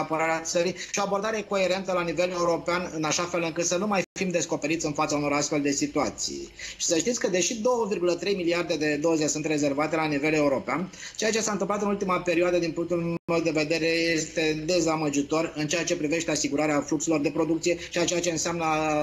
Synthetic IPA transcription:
apəɾaɾeat̪səɾijʃioabo̞rd̪aɾeko̞e̞ɾe̞nt̪əlanive̞le̞uɾo̞peanɨnaʃafe̞lɨŋkɨt̪sənumajfimd̪e̞sko̞pe̞ɾit̪sʲɨnfat̪sauno̞ɾast̪fe̞ld̪e̞sit̪uat̪sḭjʃi̥səʃt̪it̪sʲkəd̪e̞ʃid̪o̞wəvirɡulət̪ɾe̞jmiliard̪e̞d̪e̞d̪o̞zesunt̪re̞ze̞rvat̪e̞lanive̞le̞uɾo̞peant͡ʃejat͡ʃe̞sant̪ɨmplat̪ɨnult̪imape̞ɾioad̪əd̪inpuŋk̚t̪ulmed̪e̞ve̞d̪e̞ɾe̞je̞st̪e̞d̪e̞zaməd͡ʒit̪o̞rɨnt͡ʃejat͡ʃe̞pɾive̞ʃt̪e̞asiɡuɾaɾeaflukselo̞rd̪e̞pɾo̞d̪ukt̪sije̞t͡ʃiat͡ʃejat͡ʃe̞ɨnseamnə

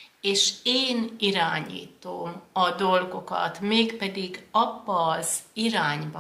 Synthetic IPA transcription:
eːʃeːniɾaːɲḭːt̪oːmɒd̪o̞lɡo̞kɒ̰t̪meːkpɛd̪iɡɒbːɒːziɾaːɲbɒ

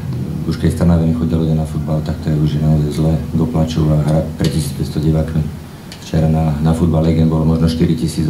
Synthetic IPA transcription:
uʃkɛcst̪anaːʋɛnixɔɟialuɟɛnafud̪̚balt̪ak̚t̪ɔɾɛuʒɪjɛnaɔzajzlɛɡ̪ɔplat͡ʃuaɦɾatpɾɛcisiːt͡spɛtst̪ɔɟɛʋaːk̪mi | ft͡ʃɛɾananafud̪̚balːɛɡɛnbɔlɔmɔʒnɔʃt̪iɾicisiːd͡z

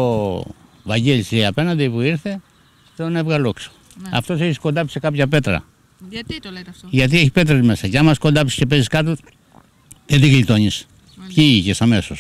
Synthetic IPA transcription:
o | vɐɲɟelisiɐpe̞nɐnd̪iipuiɾθe̞ | t̪eonevɣɐlokso̥ | ɐ̰ft̪o̞s̬eçisko̞nd̪ɐpsikɐpçɐpe̞t̪ɾɐ̰ | ʝɐt̪ieçipe̞t̪ɾezme̞sɐceɐmɐsko̞nd̪ɐpsi̥cepe̞ziskɐt̪o | ðet̪iɣlit̪o̞ɲis | pçiiçesɐme̞so̞s

